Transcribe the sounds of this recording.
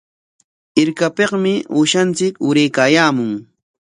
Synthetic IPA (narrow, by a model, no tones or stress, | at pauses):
ɪɾkapeqmɪʊʃant͡sɪkʊɾejkaːjaːmʊŋ